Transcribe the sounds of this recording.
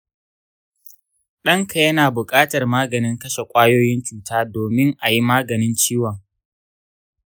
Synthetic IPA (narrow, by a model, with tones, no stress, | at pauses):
ɗɐ˦ŋkʰa˨jɐ˦naː˨bʊ˨kʼaː˦tɐ˨rmaː˦ɡɐ˨nɪ˦ŋkɐ˦ʃe˨kʷʼaː˦joː˦jɪ˦nt͡ʃuː˨taː˦doː˨mɪ˦ŋʔa˨ji˦maː˦ɡɐ˨nɪ˦nt͡ʃiː˦wɔ˨ŋ